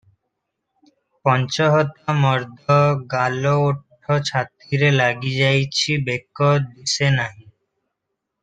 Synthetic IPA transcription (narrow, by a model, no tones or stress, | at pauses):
pɔnt͡ɕoɦɔt̪ːamɔɾd̪ʱoɡalooʈʰːot͡ɕʰat̪ɾiɾelaɡid͡ʑajt͡ɕʰibekːod̪isenaj